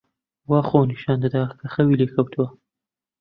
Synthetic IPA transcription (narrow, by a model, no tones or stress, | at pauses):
wɑχonɪʃɑːnd̪əd̪ɑkaxawilekawt̪ʰwa